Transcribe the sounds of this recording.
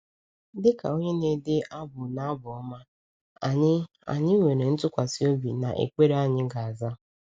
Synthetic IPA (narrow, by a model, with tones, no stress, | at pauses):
dɪ˦ka̰˨o˦ɲe˦ne˦dɪ˦ʔa˦bʊ˨na˦bʊ˨ɔ˦ma˦ | a˨ɲɪ˦ | a̰˨ɲɪ˦we˨ɾe˨n̩˦tʊ˦kʷa˨si˦o˦bi˨na˨ʔḛ˨kʷe˦ɾa˦ɲɪ˦ɡa˨a˨za˦